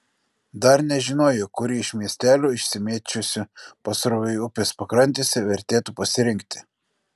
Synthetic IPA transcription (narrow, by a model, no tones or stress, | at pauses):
d̪ɐɾnʲɛʒʲɪnoːjokːʊɾʲiːɪʃʲmʲiɛsʲt̪ʲæːlʲuːɪʃʲsʲɪmʲeɛt͡ʃʲʊsʲɪpɐsɾoʋʲɪɪʊpʲeːspɐkɾɐnʲt̪ʲeːsʲɛʋʲɛɾʲt̪ʲeːt̪uːpɐsʲɪɾʲɪŋʲk̚t̪ʲɪ̥